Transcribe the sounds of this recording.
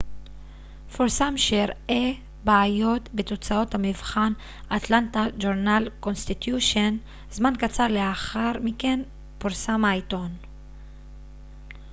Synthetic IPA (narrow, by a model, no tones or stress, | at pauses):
foʁsamʃeʁʔe | baajo̞t̪bet̪o̞t͡sao̞t̪hamivχan | ʔat̪lant̪ad͡ʒoʁnalko̞nst̪it̪juʃon | zmankat͡saʁleaχaʁmike̞n | poʁsamajt̪o̞n